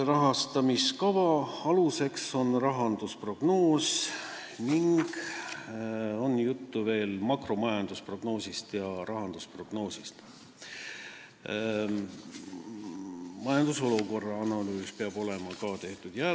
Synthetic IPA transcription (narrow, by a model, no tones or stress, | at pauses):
rɑɦɑst̪ɑmiskɑvɑɑluse̞kso̞nrɑɦɑnd̪̥uspro̞ɡ̥no̞ːs | niŋɡ̥ | o̞njut̪ːuve̞ːlmɑkro̞mɑjɑnd̪̥uspro̞ɡ̥no̞ːsʲist̪jɑɾɑɦɑnd̪̥uspro̞ɡ̥no̞ːsist̪ | mɑjɑnd̪uso̞luko̞rːɑɑnɑlyːspeɑb̥o̞le̞mɑkɑt̪e̞ht̪ud̪̥jæ